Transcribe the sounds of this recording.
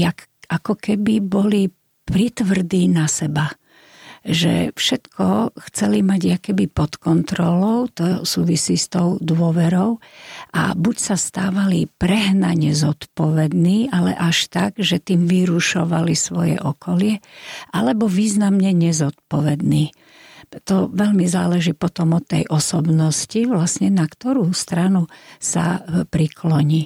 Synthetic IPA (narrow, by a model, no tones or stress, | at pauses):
akakɔkɛbibɔli | pɾit̪ʋr̩d̪iːnasɛba | ʒɛ̰fʃɛt̪kɔxt͡sɛlimaɟakɛbipɔt̪kɔnt̪ɾɔlɔʊt̪ɔsuːʋisiːst̪ɔʊd̪ʊɔʋɛɾɔʊʔa̰bucsast̪aːʋalipɾɛɦnaɲɛzɔt̪pɔʋɛd̪niːʔalɛ̰ʔaʃt̪aɡʒɛt̪iːmʋiɾuʃɔʋalisʋɔjɛ̰ʔɔkʰɔlɪɛʔalɛbɔʋiːznamɲɛɲɛzɔt̪̚pɔʋɛd̪niː | t̪ɔʋɛʎmizaːlɛʒiːpɔt̪ɔmɔt̪ːɛ̰jʔɔsɔbnɔsciʋlasɲɛnakt̪ɔɾuːst̪ɾanusa̰pɾikʰlɔɲiː